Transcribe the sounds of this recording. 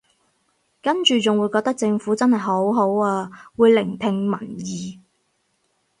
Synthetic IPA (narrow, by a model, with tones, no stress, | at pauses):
kɐ˥nt͡ʃyː˨t͡sʊ˨ŋwuː˨˧jkɔː˧k̚t̪ɐ˥k̚t͡sɪ˧ŋfuː˨˥t͡sɐ˥nhɐ˨˩jɦo˨˥wɦo˨˥waː˧wuː˨˧jlɪ˨˩ŋt̪ʰɪ˧ŋmɐ˨˩njiː˨˧